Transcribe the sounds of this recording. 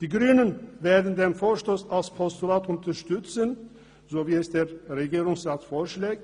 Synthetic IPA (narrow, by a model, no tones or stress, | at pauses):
d̪̥iːɡʁyːnənveːɐdn̩d̪eːmfoːʃtoːsalspʰɔst̪ulaːt̪ʊnt̪ɐʃtʏt͡sən | zoːviːɛsd̥̪eːʁʁeɡiːɾʊŋsʁaːtfoːʃleːk̚